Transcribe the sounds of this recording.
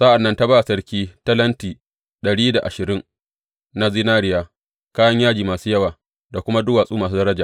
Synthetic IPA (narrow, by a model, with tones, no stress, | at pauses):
sa˦ʔa˨nːɐ˦nta˦baː˦˨sɐ˦ɾkʲiː˦tɐ˦lɐ˦ntiː˨ | ɗɐ˨ɽiː˦da˨ʔa˨ʃɪ˨ɾɪ˦ŋ | na˦zɪ˦naː˦ɾɪ˦jaː˨ | kaː˦jɐ˦ɲjaː˦d͡ʒiː˨maː˨suː˦jɐ˦waː˨ | da˨kʷʊ˦ma˦dʊː˦waː˨sʼuː˦maː˨s̬u˦dɐ˦ɾɐ˦d͡ʒaː˨